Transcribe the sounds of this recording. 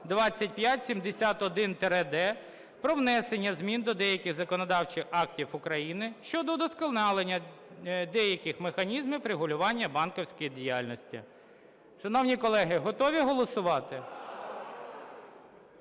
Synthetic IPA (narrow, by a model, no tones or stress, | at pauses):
d̪ʋɑt͡sʲːɐt̚ʲpʲjatʲsʲimd̪esʲat̪ɔd̪ɪnt̪ɛɾɛd̪ɛ | pɾɔʋnɛsenʲːɐzmʲind̪ɔd̪ɛjɐkʲɪɣzɐkɔnɔd̪ɑwt͡ʃɪxɑktʲiwʊkɾɐjinɪʃt͡ʃɔd̪ɔd̪ɔskɪlˠnɑlˠenʲːɐ | d̪ɛjɐkʲɪxmexɐnʲizmɪfɾeɦʊlʲʊʋɑnʲːɐbɑnkɔwsʲkɔjidʲijalʲnɔsʲtʲḭ | ʃɐnɔwnʲikɔlˠɛɦɪɦɔt̪ɔʋʲiɦɔlˠɔsʊʋɑt̪ɪ